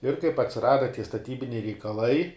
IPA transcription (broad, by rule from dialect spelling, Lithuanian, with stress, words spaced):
ɪr kɐɪp ɐtʲsʲɪˈrɑːdɐ tʲiɛ stɐˈtʲiːbʲɪnʲɛɪ rʲɛɪkɐˈlˠɐɪ